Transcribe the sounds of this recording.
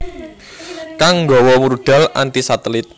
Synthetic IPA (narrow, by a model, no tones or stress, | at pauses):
kaŋŋɡɔwɔmuɾɖ̪̥a̤la̰nt̪isat̪əlɪt̪̚